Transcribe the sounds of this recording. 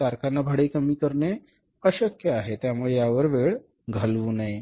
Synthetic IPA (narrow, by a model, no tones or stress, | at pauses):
aɾkʰanːabʱəɽekəmik̪əɾne | əɕəkjəaɦet̪jamuɭejaʋəɾʋeɭ | ɡʱəlʋunaj